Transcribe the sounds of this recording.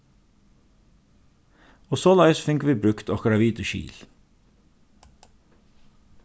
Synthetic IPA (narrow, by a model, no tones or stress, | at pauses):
oːsoːlɑɪsfʏŋkʋiːbɾʉkt̪oːɡɾɑʋiːd̪əʃḭːl